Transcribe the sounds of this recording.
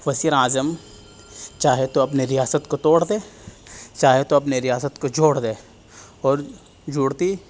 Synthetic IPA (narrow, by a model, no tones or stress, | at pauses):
ʋɐsiɾaːzəm | t͡ʃaːɦet̪oɐp̬neɾɪjaːsət̪kot̪oːɽd̪eː | t͡ʃaːɦet̪oɐp̬neɾɪjaːsət̪kod͡ʒoːɽd̪eː | ɔːɾ | d͡ʒʊːɽt̪i